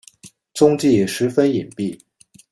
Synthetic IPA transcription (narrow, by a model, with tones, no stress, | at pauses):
t͡sʊ˥ŋt͡ɕi˥˩ʂɻ̩˧˥fə˥ni˨˩npi˥˩